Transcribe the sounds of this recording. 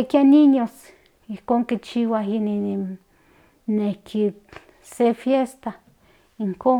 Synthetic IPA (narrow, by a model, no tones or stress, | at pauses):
ekjaniɲos | ihkoːŋkit͡ʃiwaɦini | nehkʰi | sefjest̪a | iŋkoː